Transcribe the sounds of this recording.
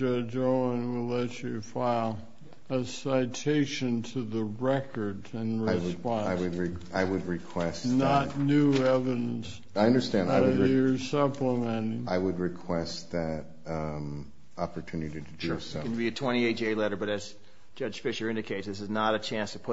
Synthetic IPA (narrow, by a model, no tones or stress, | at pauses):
d͡ʒʌd͡ʒoʊə̃nwɪlˠɛt͡ʃɨifaɪlˠ | əsaɪtʰeɪʃɨ̃ntʰɨðəɹɛkə˞dɨ̃nɹɪɪspɑ̃aɪwɨd̚ɹɪaɪwɨd̚ɹɨkʰw̥ɛsnətⁿnʉɛvɨɾɨ̃ns | aɪʌ̃ndə˞stæ̃ndaɪɨə˞sʌpləmɛ̃nɪ̃ŋaɪwəd̚ɹɨkʰw̥ɛstðɨɾ | ɑpə˞tʰʉnɨɾiɾɨdɨsnbiɨtʰw̥ɛ̃ɾ̃ieɪt͡ʃeɪlɛɾə˞bʌɾɨz | d̥d͡ʒ̥ʌ̥ʒ̥fɪʃə˞ɪ̃ndɨkʰeɪtsðɪs̬ɨznəɾɨt͡ʃʰæ̃nstʰəpʰʊ